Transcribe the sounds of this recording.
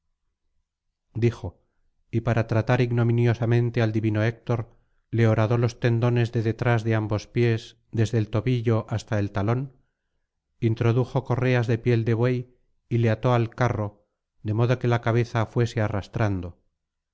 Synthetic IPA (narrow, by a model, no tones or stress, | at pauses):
d̪ixo̞ | ipaɾat̪ɾat̪aɾiɣno̞mĩnjo̞samẽnt̪e̞ald̪iβino̞ek̚t̪o̞ɾ | le̞oɾaðo̞lo̞st̪e̞nd̪o̞ne̞zðe̞ðe̞t̪ɾazðe̞ambo̞spje̞z | d̪e̞zðe̞lt̪o̞βiʎo̞ʔast̪ae̞lt̪alo̞n | int̪ɾo̞ðuxo̞ko̞re̞azðe̞pje̞ld̪e̞βwe̞j | ile̞at̪o̞alkaro̞ | ðe̞mo̞ðoke̞lakaβ̞e̞θafwe̞se̞arast̪ɾand̪o̞